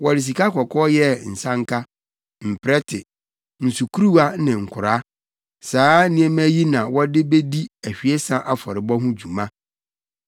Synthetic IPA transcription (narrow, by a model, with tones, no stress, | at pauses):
wɔ˨ɾɪ˨s̬i˨ka˦kʰɔ˨kʰɔ˦jɛ˦n̩˨sã˦ŋ̩˦kʰa˦ | m̩˨pʰɾɛ˦tʰɪ˨ | n̩˨su˨kʰu˦ɾu˦a˦nɪ̃˨ŋ̩˨kʰʊ˨ɾa˦ | saː˨˦nĩ˦ɛ˦mæ˦ji˦nã˨wɔ˦dɪ˦be˦di˦æ˨ɕᶣi˨e˦sã˦ʔa˦˨fɔ˨ɾɪ˨bɔ˦ɦʊ̃˦d͡ʑu˨mã˦